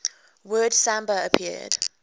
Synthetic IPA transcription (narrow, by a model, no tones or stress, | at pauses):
wɜːd̥sãmbəəpʰɪ̰əd̥